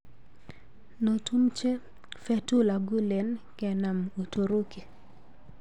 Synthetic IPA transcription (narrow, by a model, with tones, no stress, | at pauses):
no˨tu˦mt͡ʃe˦ | fɛ˦tu˦la˨ɡu˦lɛ˨nkɛ˨na˨mo˨to˨ɾo˦ke˨